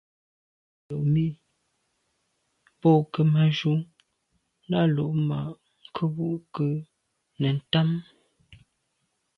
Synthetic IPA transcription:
o˨ʔmi˦ʔ | po˦˨kə˦ma˨ʒu˦ŋ | na˦lo˨ʔma̰˨ | ŋ˨kʰə˦wu˦ʔkə˦ | nə˨n̩˨ta˦m

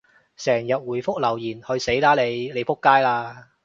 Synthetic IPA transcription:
sɛː˨˩ŋjɐ˨t̚wuː˨˩jfʊ˥k̚lɐ˨˩wjiː˨˩nhɵ˧ɥse˨˥jlaː˨˥le˨˧jle˨˧jfʊ˥kːaː˥jlaː˧

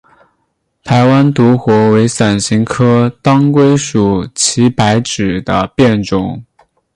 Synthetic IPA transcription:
t̪ʰa˧˥ɪwa˥nt̪u˧˥xwɔ˧˥we˧˥ɪsa˨˩nɕi˧˥ŋkʰɤ˥t̪ɑ˥ŋkwe˥ɪʂu˨˩t͡ɕʰi˧˥pa˧˥ɪʈ͡ʂɻ̩˨˩d̪ə˦pjɛ˥˩nʈ͡ʂʊ˨˩˦ŋ

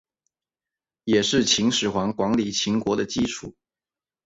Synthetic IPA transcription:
jɛ˨˩ʂɻ̩˥˩t͡ɕʰi˧˥ŋʂɻ̩˨˩xwɑ˧˥ŋkwɑ˧˥ŋli˨˩t͡ɕʰi˧˥ŋkwɔ˧˥d̪ə˧t͡ɕi˥˧ʈ͡ʂʰu˥˩

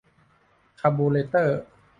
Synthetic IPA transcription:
kʰaː˧mboː˧leː˧t̪ɤː˥˩

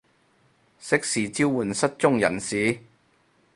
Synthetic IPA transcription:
sɪ˥k̚siː˨t͡siː˥wwuː˨˩nsɐ˥t̚t͡ʃʊ˥ŋjɐ̰˨˩nsiː˨˥˦

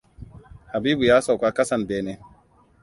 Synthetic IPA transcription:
ha˨biː˦bu˨jaː˦sa˨kʷa˦kɐ˦sa˨nbeː˦ne˦

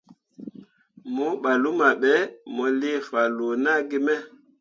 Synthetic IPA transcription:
mɔ˨˦ɓa˨lu˦ma˨ɓɛ˨˦mɔ˨le˦fa˨lo˨na˦ɡi˦mɛ˦

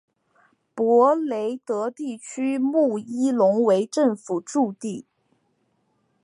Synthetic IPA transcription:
pwɔ˧˥le˧˥ɪt̪ɤ˧˥t̪i˥˩t͡ɕʰy˥mu˥˩i˥lʊ˧˥ŋwe˧˥ɪʈ͡ʂə˥˩ŋfu˨˩ʈ͡ʂu˥˧t̪i˥˩

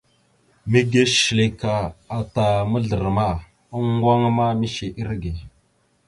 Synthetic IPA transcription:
mi˦ɡe˦ʃli˨ka˨a˨ta˨mə˦ɮə˨ɾma˦˨ | a˦ŋ˦ɡwa˦ŋ˦ma˦mi˦ʃe˨ʔi˦ɾɡe˨

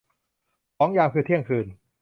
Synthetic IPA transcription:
kɔː˨˦˥ŋjaː˧mkʰɯː˧t̪ʰi˥˩əŋkʰɯː˧n

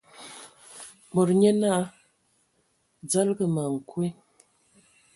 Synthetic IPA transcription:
mo˨ɾɲe˦na˦ | d͡za˦lɡə˨ma˨ŋ̩˨kwe˦

